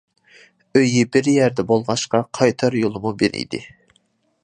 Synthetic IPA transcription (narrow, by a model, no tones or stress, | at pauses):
øjibɪɾjæɾd̪ɛbolˠʁɑʃqɑqʰɑjt̪ʰɑɾjolˠɨmubenḭjd̪ɪ̰